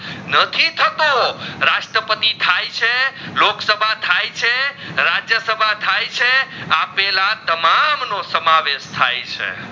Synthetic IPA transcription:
nət̪ʰit̪ʰət̪oɾaʃʈɾəpət̪it̪ʰajt͡ʃʰeloksəbʱat̪ʰajt͡ʃʰe | ɾad͡ʒjəsəbʱat̪ʰajt͡ʃʰeapelat̪əmamnosəmaʋeʃt̪ʰajt͡ʃʰḛ

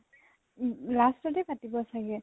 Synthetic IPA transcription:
lastɔdɛpatibɔsaɡɛ

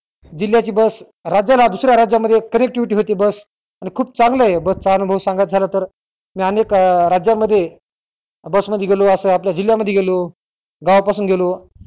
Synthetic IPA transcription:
d͡ʑil̤jat͡ɕiːbəs | ɾad͡ʑalad̪usɾjaɾad͡ʑjaməd̪ʱːjekənek̚ʈiʋiʈiɦot̪ibəs | añikʰuːp̚t͡sãŋɡləjebəst͡saanubʱəʋsãŋɡajt̪̚d͡zʱalət̪əɾ | miːaənekɾad͡ʑjaməd̪ʱːje | bəsməd̪ʱjeɡʱeloəsəapljad͡ʑil̤jaməd̪ʱːjeɡʱelo | ɡaʋapasuːnɡʱelo

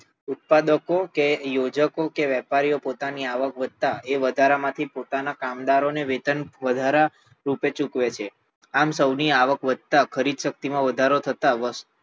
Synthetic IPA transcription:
ʊt̪̚pad̪əkokejod͡ʒəkokeʋɛpaɾijopot̪aniaʋəkʋəd̪̚t̪aeʋəd̪ʱaɾamãt̪ʰipot̪anakamd̪aɾoneʋet̪ənʋəd̪ʱaɾa | ɾupet͡ʃũkʋet͡ʃʰe | amsəwniaʋəkʋəd̪̚t̪akʰəɾid̪ʃək̚t̪imãʋəd̪ʱaɾot̪ʰət̪aʋəs

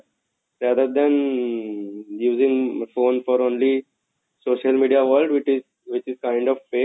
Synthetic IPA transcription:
ɾæːd̪əɾd̪ɛ̃n | juːzɪ̃ŋɡfõːnfɔːɾõːnli | soːʃəlmiːɖiaʋəɾlɖʋɪt͡ʃɪz | ʋɪt͡ʃɪzkãɪ̃ɳɖɔʋfeː

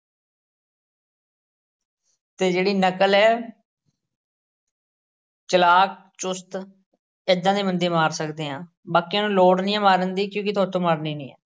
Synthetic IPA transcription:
t̪eːd͡ʒeːɽiːnəkəlɛː | t͡ʃəlaːk̚ | t͡ʃʊst̪ | ɪd̪ːãːd̪iːmənd̪eːmaːɾsəkd̪eːɦãː | baːkiãːnũːloːɽnĩːãːmaːɾənd̪iːkjõːkɪt̪ʰoːt̪õːmaːɾniːnḭ̃ːɛ̰ː

